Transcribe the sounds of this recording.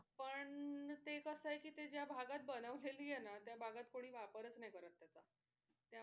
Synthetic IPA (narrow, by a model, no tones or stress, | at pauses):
pəɳt̪ekəsəjekiːt̪ed͡ʑjabʱaɡat̪̚bənəʋleliːjenat̪jabʱaɡat̪koɽ̃iːʋapəɾət͡snajkəɾət̪ːjat͡sa | t̪ja